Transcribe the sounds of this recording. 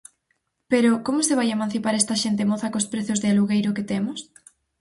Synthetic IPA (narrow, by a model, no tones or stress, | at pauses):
peɾʊkomʊseβajemãn̟θipaɾɛst̪ɐʃent̪̬emoθɐkospɾeθʊzðɪaluɣejɾʊket̪emʊs